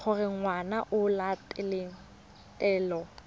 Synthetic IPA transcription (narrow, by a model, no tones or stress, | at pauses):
χʰʊrɪŋwanaʔʊlatʼɪlɪ | ɛːlɔ